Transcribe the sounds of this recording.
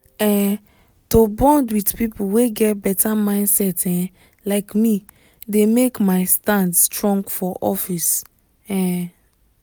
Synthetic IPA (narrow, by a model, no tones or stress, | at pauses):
ɛ | tobɔ̃ndwidpipuweɡɛt̚bɛtʰamãɪ̃ndsɛtɛ̃ | laɪkmi | demekmaɪstãndstɹɔ̃ŋɡfɔʔɔfis | ɛ̃